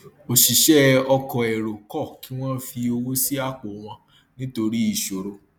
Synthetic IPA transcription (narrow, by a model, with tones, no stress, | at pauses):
o˨ʃi˨ʃɛ˦ɔ˧kɔ˨ɛ˨ɾo˨kɔ˦˨ki˦w̃ɔ̃˦fi˧o˧wo˦si˦a˦˨k͡po˨˦w̃ɔ̃˧ | nĩ˦to˧ɾi˦i˦˨ʃo˨ɾo˧